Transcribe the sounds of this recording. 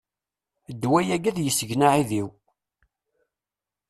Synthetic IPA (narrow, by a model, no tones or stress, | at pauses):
d̪ːwæjæɡæðjəsːəʝnaʕiðiw